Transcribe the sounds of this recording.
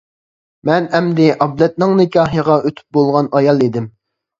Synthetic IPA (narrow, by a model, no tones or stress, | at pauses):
mɛnɛmd̪ɪʔɑblɛt̪̚nɪŋnɪkʲɑːɦəʁɑøt̪ʰy̥p̚bolˠʁɑnɑjɑlˠid̪ɪm